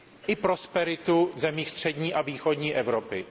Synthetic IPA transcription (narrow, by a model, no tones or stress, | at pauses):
ʔɪpɾo̞spɛɾɪt̪uzɛmiːxst̪r̝̥ɛdɲiːʔaviːxo̞dɲiːʔɛvɾopɪ